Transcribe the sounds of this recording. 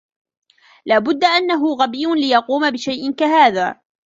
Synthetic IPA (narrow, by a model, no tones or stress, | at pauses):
laːbʊd̪ːaʔanːaɦʊɣabijːʊnlɪjɑquːmabɪʃajʔɪnkaɦaːða̰ː